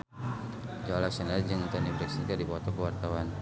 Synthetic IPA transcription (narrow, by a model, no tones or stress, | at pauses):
d͡ʒaalasənald͡ʒəŋt̪anibɾiksikadipɔt̪ɔkəwart̪awan